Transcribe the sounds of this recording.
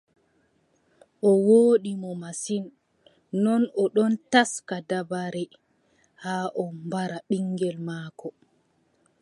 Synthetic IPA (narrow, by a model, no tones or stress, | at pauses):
ʔɔwoːɗimɔmasinː | ɔnɔɗɔntaskadabaɾɛ | haːʔɔmbaɾaɓiŋɡɛlmaːkɔ